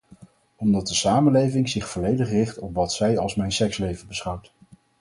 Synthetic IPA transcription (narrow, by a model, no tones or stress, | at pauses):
ɔmdɑt̚dəsaːmənlejvɪŋzɪχfɔlejdəχrɪχtɔpʋɑtsɛjɑlˠsmɛjnsɛkslejvəbəsχɑwt